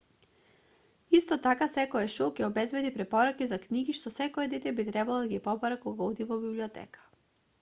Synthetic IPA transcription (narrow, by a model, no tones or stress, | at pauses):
ist̪ɔt̪akasɛkɔɛʃokʲɛɔbɛzbɛd̪ipɾɛpɔɾakizakniɡiʃt̪ɔsɛkɔɛd̪ɛt̪ɛbit̪ɾɛbalˠod̪aɡipɔbaɾakɔɡaɔd̪ivɔbibliɔt̪ɛ̰kḁ